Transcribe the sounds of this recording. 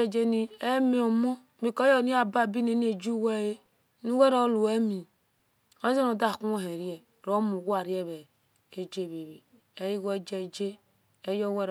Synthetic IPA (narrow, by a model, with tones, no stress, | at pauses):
d͡ʒe˦ni˦ɛ˦mi˨˦ɔ˨mɔ˦ | mi˨kɔ˦jɔ˦˨ni˦a˨ba˦˨bi˦ne˨n˦e˨d͡ʒu˦wɛ˦je˦ | nu˦wɛ˦ɾo˦lu˨ɛ˦mi˨ | o˦ze˦no˨da˦˨ku˦o˦ɦe˨ɾjɛ˨ | ɾo˦mu˨ɡʷa˦˨ɾjɛ˦˨βɛ˨ | e˦d͡ʒe˦˨βe˨βe˨ | ɛ˦ji˦ɡɛ˦d͡ʒɛ˦˨d͡ʒe˦ | e˦jɔ˦wɛ˦ɾ